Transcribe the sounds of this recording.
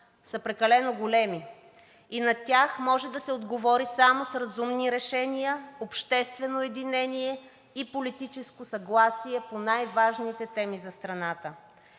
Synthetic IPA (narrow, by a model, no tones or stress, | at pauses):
sɐpɾɛkɐlɛnoɡolɛmi | inɐt̪ʲaxmɔʒɛd̪ɐsɛod̪ɡovɔɾisamosɾɐzumniɾɛʃɛnijəopʃt̪ɛst̪vɛnoɛd̪inɛniɛ | ipolit̪it͡ʃɛskosɐɡlˠasiɛponajvaʒnit̪ɛt̪ɛmizɐst̪ɾɐnat̪ə